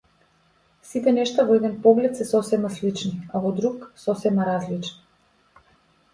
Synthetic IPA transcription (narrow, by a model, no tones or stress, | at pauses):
sit̪ɛnɛʃt̪avɔɛd̪ɛnpɔɡlɛt̪sɛsɔsɛmaslit͡ʃniavɔd̪ɾuksɔsɛmaɾazlit͡ʃni̥